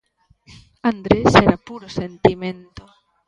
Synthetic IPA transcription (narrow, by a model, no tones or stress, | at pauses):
and̪ɾeseɾapuɾose̞nt̪ime̞nt̪o̞